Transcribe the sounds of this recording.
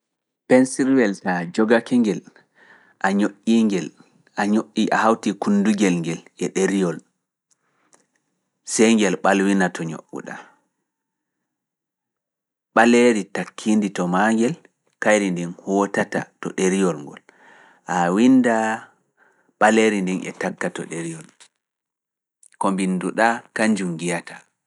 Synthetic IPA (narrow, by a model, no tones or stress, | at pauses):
pɛnsiɾwɛltad͡ʒɔɡakɛŋɡɛl | ʔaɲoʔːiŋɡɛl | ʔaɲoʔːiʔa̰hawtikunduɡɛlŋɡɛlɛɗeɾijɔl | sɛjŋɡɛlɓalwinatʰɔɲo̰ɓṵɗa̰ | ɓaleɾitakʰːinditɔmaŋɡɛl | kajɾindɛnhɔːtata̰tɔɗeɾijɔlŋɡɔ̰l | ʔawinda | ɓaleɾindɛnɛ̰takːatɔ̰ɗeɾijɔl | kɔmbinduɗakaɲd͡ʒumɡijatʰa